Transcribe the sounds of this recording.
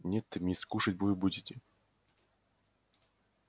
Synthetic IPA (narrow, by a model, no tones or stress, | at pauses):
nʲet̪ːɨmʲskuʂətʲbvɨbudʲɪtʲɪ